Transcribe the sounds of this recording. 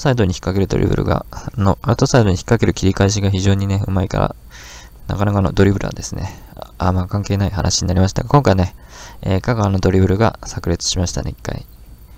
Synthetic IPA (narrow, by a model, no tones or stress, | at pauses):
osaid̪o̞ɲ̟içi̥kːake̞ɾɯ̟d̪oɾʲḭbɯ̟ɾɯ̟̰ɡa̰noʔaɾɯ̟t̪o̞said̪o̞ɲiçi̥kːake̞ɾɯ̟kʲiɾʲikaiɕ̬iɡaçiʑo̞ːɲ̟ine̞ɯ̟maika̰ɾa̰ | na̰kanakano̞d̪o̞ɾʲibɯ̟ɾɯ̟ɡa̰d̪e̞sɨne̞̰ | amakãŋke̞ːnaiha̰nʔaɕiɲ̟inaɾʲimaɕi̥t̪a̰ɡakõ̞ŋkaineeːkaɡaano̞d̪o̞ɾʲibɯ̟ɾɯ̟ɡa̰sakɯ̟ɾʲit͡sɨ̥ɕimaɕi̥t̪a̰neikːa̰ḭ